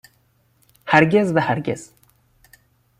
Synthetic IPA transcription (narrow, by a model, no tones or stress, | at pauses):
hæɾɡezvæhæɾɡez̥